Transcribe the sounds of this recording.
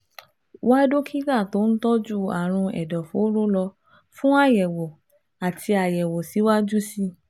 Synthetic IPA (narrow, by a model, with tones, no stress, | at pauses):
wa˦do˦kʰi˦ɾa˦˨to˨˦ñ̩˦tɔ˦d͡ʒu˦˨a˨ɾ̃ũ˧ɛ̰˨dɔ˨fo˨˦ɾo˦lɔ˧ | fũ˦a˦˨jɛ˨wɔ˨ | a˨tʰi˧a˨jɛ˨wɔ˨si˨˦wa˦d͡ʒu˦si˦